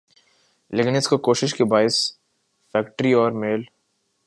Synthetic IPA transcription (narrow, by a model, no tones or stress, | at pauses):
leːkɪnɪskokoːʃɪʃkibaːɪs | fɛːkʈəɾiɔːɾmeːl